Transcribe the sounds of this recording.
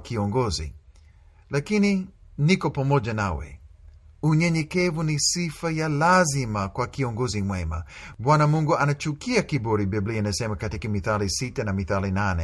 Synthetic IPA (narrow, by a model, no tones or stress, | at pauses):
kiɔŋɡɔzḭ | lakininikɔpamɔʄanawɛ̰ | uɲɛɲɛkɛvunisifajalazimakwakiɔŋɡɔzimwɛma̰bwanamuŋɡuʔanat͡ʃukiakibɔɾibiblianasɛmakatikamiθalisitanamiθalinanɛ